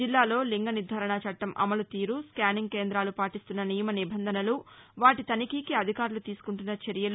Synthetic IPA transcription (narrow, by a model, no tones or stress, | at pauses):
d͡ʒilːaːlo̞ːliŋɡɐnid̪ʱaːɾɐɳɐt͡ʃɐʈːɐmʔɐ̰mɐlut̪iːɾuskjaːniŋke̞ːnd̪ɾaːlupaːʈist̪unːɐnijɐmɐnibʱɐnd̪ʱɐnɐluʋaːʈit̪ɐnikiːkiɐd̪ʱikaːɾlut̪iːsu̥kuɳʈunːɐt͡ʃɐɾijɐl